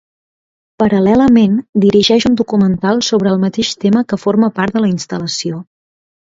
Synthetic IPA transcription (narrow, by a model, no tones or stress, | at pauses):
pəɾəlɛləmend̪iɾiʒɛʃund̪ukumənt̪alˠsoβɾəːlˠmət̪eʃt̪eməkəforməpaɾt̪d̪ələinst̪ələsio